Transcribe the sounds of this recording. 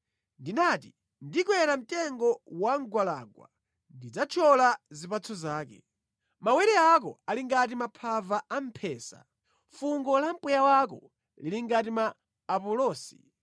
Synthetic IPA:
ndinati | ndikwɛɾam̩tɛŋɡɔwaŋɡwala̰ɡwa̰ | ndid͡zat͡ʃʰɔlazipat͡sʰɔzaːkɛ | mawɛɾɛak̬ɔ̰aliŋɡatimapʰavaam̩pʰɛːsa̰ | fuŋɡɔlampujawakɔ | liliŋɡatimaː | pɔlɔːsi̥

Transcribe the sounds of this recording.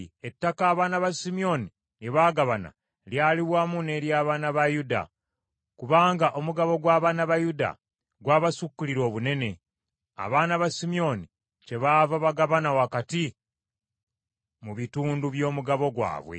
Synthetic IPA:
e̞tːakaːβaːnaβasimio̞ni | je̞βaːɡaβana̰ | ljaːliβwamune̞ɾjaːβaːnaβajuda̰ | kuβaːŋɡaʔo̞muɡaβo̞ɡwaːβaːnaβajuda̰ | ɡwaːβasukːuliɾo̞ːβune̞ne̞ | a̰βaːnaβasimio̞ni | ce̞βaːvaβaɡaβanawakati | muβituːnduβjo̞ːmuɡaβo̞ɡwa̰ːβwḛ

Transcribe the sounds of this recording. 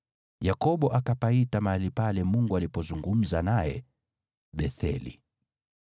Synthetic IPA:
jakɔɓɔʔakapaitamaalipalɛmuŋɡualipɔzuŋɡum̩zanajɛ̰ | ɓɛθɛ̰lḭ

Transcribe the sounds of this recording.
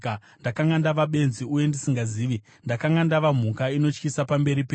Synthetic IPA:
ndakaŋandaʋaɓe̞nziuje̞ndisiŋɡaziːʋi | ndakaŋɡandaʋam̤ukaino̞t͡ʃkisapambe̞ɾipe

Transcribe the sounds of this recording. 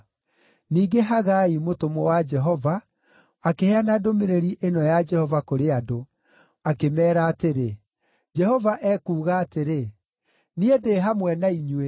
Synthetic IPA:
niːɡeɦaɣaimotomɔwad͡ʒɛɦɔva | akeheanadomeɾeɾiʔenɔjad͡ʒɛhɔvakoɾeado | akemɛːɾaːteɾe | d͡ʒɛhɔvaʔɛːkuːɣaːteɾe | niedeɦamwɛnaiɲwe

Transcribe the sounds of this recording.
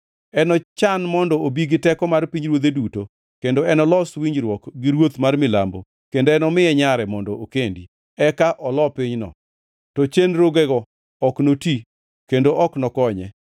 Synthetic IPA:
ɛnɔt͡ʃanmɔndɔobiɡɪtɛkɔmarpiɲɾwod̪eduto | kendoɛnɔlɔswiɲd͡ʒɾwɔkɡɪɾwot̪marmɪla̰mbo | kendoɛnɔmɪɛɲaɾɛmɔndɔʔokendi | ɛkaʔɔlɔpɪɲnɔ̰ | tɔt͡ʃenɾoɡɛɡɔː | knoti | kendoʔɔknɔkɔɲɛ̰

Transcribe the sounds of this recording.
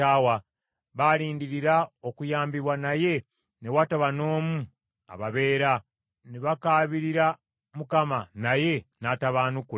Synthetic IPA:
awa | βaliːndiɾiɾaokujaːmbiβwanaje̞ | newataβano̞ːmu | a̰βaβe̞ːɾa | neβakaːβiɾiɾa | mukamanaje̞nataβaːnuku

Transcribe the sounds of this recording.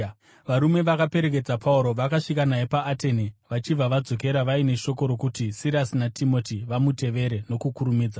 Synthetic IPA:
ʋaɾume̞ʋakape̞ɾe̞k̬e̞d͡zapʰauɾo̞ʋakaʂikanaepaːte̞niʋat͡ʃib͡vaʋad͡zo̞k̬e̞ɾaʋaine̞ʃo̞ko̞ɾokutisiɾasinatʰimo̞tiʋamute̞ʋe̞ɾe̞no̞kukuɾumiːd͡za

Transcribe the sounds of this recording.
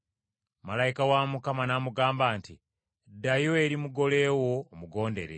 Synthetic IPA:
malaikawamukamanamuɡaːmbaːnti | dajo̞e̞ɾimuɡo̞le̞ːwo̞ːmuɡo̞ːnde̞̰ɾe

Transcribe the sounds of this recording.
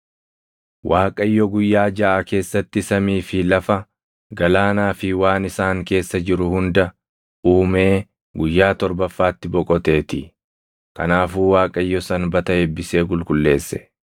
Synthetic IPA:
wʔaːkʼɐɪjːɔɡʊjːaːd͡ʒɐʔake̞ːsːɐt̪ːɪsɐmiːfɪlɐfɐ | ɡɐlaːnaːfɪwaːnɪsaːŋke̞ːsːɐd͡ʒɪɾʊhʊnd̪ɐ | uːme̞ː | ɡʊjːaːt̪ɔɾbɐfːaːt̪ːɪbɔkʼɔt̪e̞ːt̪ɪ | kɐnaːfuːwaːkʼɐɪjːɔsɐnbɐt̪ɐɛbːɪse̞ːɡʊlkʼʊlːe̞ːsːɛ̥

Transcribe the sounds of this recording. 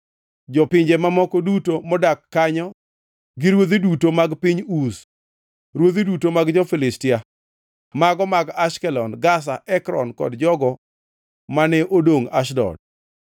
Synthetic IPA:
d͡ʒɔpɪɲd͡ʒɛmamɔkɔdutomɔdakːaɲɔ | ɡiɾwod̪idutomaɡpiɲus | ɾwod̪idutomaɡd͡ʒɔfɪlɪstɪa | maɡɔmaɡaʃkɛlɔnɡas̬aʔɛkɾɔ̰nkɔ̰dd͡ʒɔɡɔ | manɛʔodoŋaʃdɔ̰d̚

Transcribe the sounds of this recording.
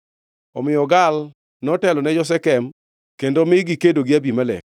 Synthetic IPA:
ɔmɪɔɡal | nɔtɛlɔnɛd͡ʒɔs̬ɛkɛm | kendomɪɡikedoɡɪabimalɛ̰

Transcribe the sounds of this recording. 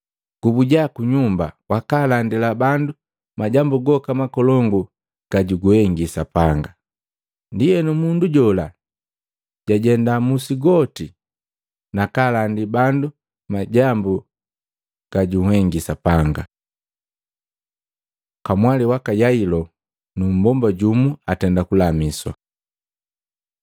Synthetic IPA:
ɡ̥ubuɟakuɲumba̰wakalandilabandu | maɟambuɡɔkamakɔlɔŋɡu | ɡ̥aɟuɡwɛŋɡisapaŋɡa | ndijɛnumunduɟɔla | ɟ̥aɟɛndamusiɡɔti | nakalandibandu | maɟambu | ɡ̥aɟuhɛŋɡisapaŋɡa | kamwaliwakajailɔ | num̩bɔmbaɟumuatɛndakulamiswa̰

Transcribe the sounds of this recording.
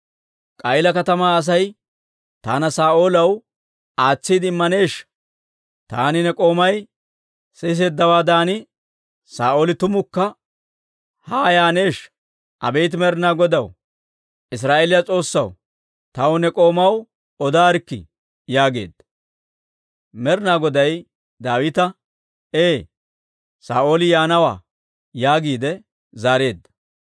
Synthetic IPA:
kʼɐjɪlɐkɐt̪ɐmaːɐs̬ɐj | t̪aːnɐsaːʔo̞ːlɐw | aːt͡sːiːd̪ɪɪmːɐne̞ːʃ | t̪a̰ːnɪnɛkʼo̞ːmɐj | sɛs̬eːd̪ːɐwaːd̪aːnɪ | saːʔoːlɪt̪ʊmʊkːɐ | haːjaːne̞ːʃ | ʔɐ̰be̞jt̪̬ɪmɛɾnaːɡɔd̪ɐw | ʔɪs̬ɾaːʔeːlɪjɐt͡sʼo̞ːsːɐw | t̪ɐwnɛkʼo̞ːmɐw | ɔd̪aːɾɪkːɪ̰ | jaːɡe̞̰ːd̪ːɐ | mɛɾnaːɡɔd̪ɐj | d̪aːwɪt̪ɐ | eː | saːʔo̞ːlɪjaːnɐwa̰ː | jaːɡiːd̪ɛ | zaːɾe̞ːd̪ːɐ̥

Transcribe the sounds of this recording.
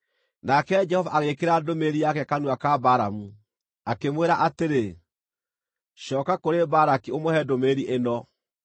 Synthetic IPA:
nakɛd͡ʒɛhɔvaʔaɣekeɾadomeɾiakɛkanwakabaɾamu | akemweɾaʔateɾe | ɕɔːkakoɾebaɾakiomohɛdomeɾiʔenɔ

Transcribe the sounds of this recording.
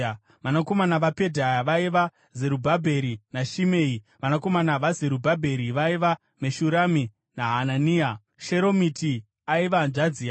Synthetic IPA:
ʋanako̞manaʋape̞dʱajaʋaiʋa | ze̞ɾubʱabʱe̞ɾinaʃimeːi | ʋanako̞manaʋaze̞ɾubʱabʱe̞ɾiʋaiʋa | meʃuɾami | naɦananiːa | ʃeɾo̞miti | aiʋanʐad͡ziːa

